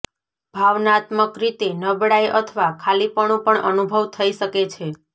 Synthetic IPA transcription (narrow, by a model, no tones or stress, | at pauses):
bʱaʋnat̪məkɾit̪enəbɽajʔət̪ʰəʋakʰalipəɳũpəɳʔənubʱəʋt̪ʰəiʃəket͡ʃʰe